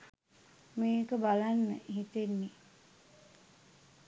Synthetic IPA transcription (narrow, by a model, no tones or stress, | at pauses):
meːkəbalanːə̰ɦit̪enːi